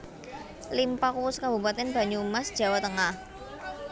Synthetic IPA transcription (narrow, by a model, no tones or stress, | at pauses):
limpakuwʊskabṳpat̪ɛnb̥a̤ɲuumasd̥ʒ̥a̤wat̪əŋah